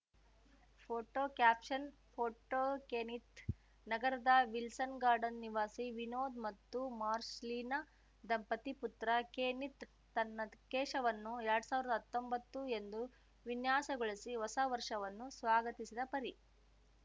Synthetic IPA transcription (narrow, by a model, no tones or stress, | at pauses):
pʰoːʈoːkjaːpʂɐnpʰoːʈoːkeːnit̪ | nɐɡɐɾɐd̪ɐʋilsɐnɡaːɾɖɐnːiʋaːsiʋinoːd̪mɐt̪ːumaːɾsliːnɐ | d̪ɐmpɐt̪iput̪ɾɐkeːnit̪ː | ɐnːɐkeːʂɐʋɐnːuɛɾɐɽusaːʋiɾɐd̪ɐɦɐt̪ːo̞mbɐt̪ːue̞nd̪u | ʋinjaːsɐɡoɭisiʋɔsɐʋɐɾʂɐʋɐnːusʋaːɡɐt̪isid̪ɐpɐɾi